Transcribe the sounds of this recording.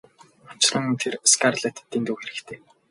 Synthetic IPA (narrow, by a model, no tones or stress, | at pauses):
ɔ̥t͡ɕɮə̆ŋɵnt̪ʰerskʰarɮet̪t̪ʰːent̪uːxeɾɘ̆kt̪ʰeː